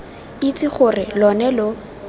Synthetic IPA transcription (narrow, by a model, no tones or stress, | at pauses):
it͡sʼɪχʊrɪlɔnɛlʊ